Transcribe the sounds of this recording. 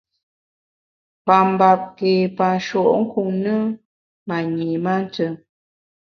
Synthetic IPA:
pa˨m˨ba˨p̚ke˨pa˨n˨ʃɔ˨ʔŋ̩˦ku˨ŋnə˦ | ma˨ɲe˨ma˦n˦tə˦

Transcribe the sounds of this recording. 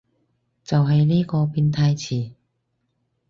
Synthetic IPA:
t͡sɐ˨wɦɐ˨jniː˥kɔː˧piː˧nt̪ʰaː˧jt͡sʰiː˨˩

